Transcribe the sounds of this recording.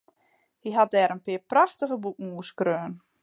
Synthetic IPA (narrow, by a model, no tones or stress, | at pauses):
hiɦat̚dɛːɾənpɪəpraxtəɣəbukəŋ̩uːskrøːn